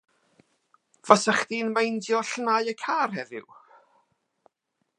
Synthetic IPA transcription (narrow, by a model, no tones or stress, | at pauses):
vɔsəχd̥inmejndjɔɬnajəkʰaːrhɛvɪ̰w